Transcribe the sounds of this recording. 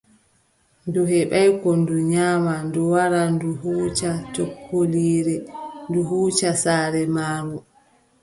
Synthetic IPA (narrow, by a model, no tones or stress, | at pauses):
nduɦɛɓajkɔnduɲaːmanduwaɾanduɦuːt͡ʃat͡ʃokʰːoliːɾɛnduɦuːt͡ʃasaːɾɛmaːɾu